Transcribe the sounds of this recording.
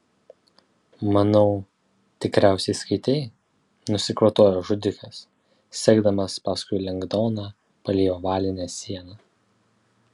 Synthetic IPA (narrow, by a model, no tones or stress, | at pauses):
mɐnɒʊ | t̪ʲɪkɾʲæˑʊsʲɛɪskɐɪt̪ʲɛɪ | nʊsʲɪkɾɐt̪oːjoːʒʊd̪ʲɪkɐs | sʲɛɡd̪ɐmɐspɑskʊɪlʲɛŋɡd̪ɔːnɑ | pɐlʲeːjoːʋɑːlʲɪnʲɛːsʲiɛnɑː